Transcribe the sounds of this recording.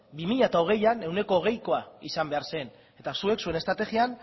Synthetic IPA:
bimiʎat̪ao̞ɣ̞e̞jane̞wne̞ko̞ːɣ̞e̞jko̞aḭsambe̞aɾse̞n | e̞t̪asue̞ksue̞ne̞st̪ɾat̪e̞ɣian

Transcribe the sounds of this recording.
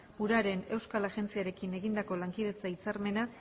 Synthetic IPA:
uɾaɾe̞ne̞wskalaʝe̞nt͡siaɾe̞kine̞ɣind̪ako̞laŋkiðe̞t͡sait͡saɾme̞na

